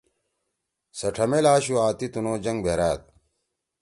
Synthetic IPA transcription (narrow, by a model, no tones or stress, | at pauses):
sɐʈʰɐmelaːɕuaːt̪it̪unoːd͡ʑɐŋɡbʱeɾaːt̪̚